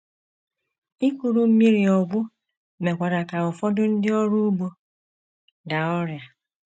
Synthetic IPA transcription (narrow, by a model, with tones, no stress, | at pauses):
i˦ku˨ɾu˨m̩˦mi˦ɾi˨ɔ˨ɡʷʊ˦ | me˨kʷa˨da˨ka˨ʊ˨fɔ˦dʊ˦n̩˦dɪ˦ɔ˦ɾu˦ɡ͡bo˦ | ɡa˨ɔ˦ɾja˨